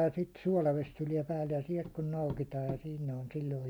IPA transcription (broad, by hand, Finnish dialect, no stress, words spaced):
jɑ sit suɒlɑʋes tuliɛ pæːlːe jɑ siɛlt kun noukitɑːj jɑ sin ne on silʲloi